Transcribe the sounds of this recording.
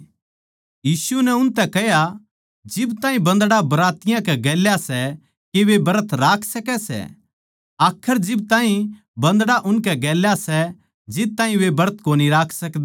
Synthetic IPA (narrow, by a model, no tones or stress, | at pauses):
jiːsunɛʊnt̪ɛkɛɦja | d͡ʒɪbt̪ãːɦĩbɐ̃nd̪ɽabɐɾaːt̪ɪjãkɛɡɛːljasɛ | keʋebɐɾət̪ʰɾaːkʰsɐkɛsɛ̰ | aːkʰəɾd͡ʒɪb̚t̪ãːĩ | bɐ̃nd̪ɽaʔʊnkɛɡɛːljasɛ | d͡ʒɪt̪aːɦĩʋebɐɾət̪̚ʰkoːniɾaːkʰsɐkd̪